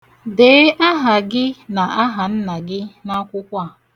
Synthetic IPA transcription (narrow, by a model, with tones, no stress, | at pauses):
de˨˦ʔa˦ɦa˨ɡɪ˦na˨ʔa˦ɦa˨n̩˦na˨ɡɪ˦na˦kʷʊ˦kʷa˦˨